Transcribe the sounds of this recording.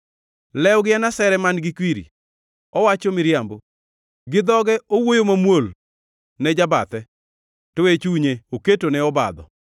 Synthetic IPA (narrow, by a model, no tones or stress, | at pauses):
lɛwɡɪanasɛɾɛmanɡɪkwiɾḭ | ɔwat͡ʃomɪɾjambo | ɡɪd̪ɔɡɛowojomamwol | nɛd͡ʒabat̪ɛ | toet͡ʃuɲeoketonɛɔba̰d̪ɔ̰